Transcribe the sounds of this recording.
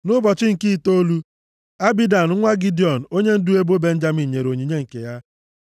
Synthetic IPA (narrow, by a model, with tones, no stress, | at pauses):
nʊ˦bɔ˨t͡ʃɪ˦ŋ̩˨ki˦˨to˦lu˦ | a˦bi˦da˨n̩˨˦ŋʷa˦ɡi˦di˨ɔ˨n̩˨o˦ɲe˦n̩˦du˦e˦bo˦be˦n̩˦d͡ʒa˦mi˨ɲe˨ɾo˨ɲi˨ɲe˦ŋ̩˨ke˨ja˦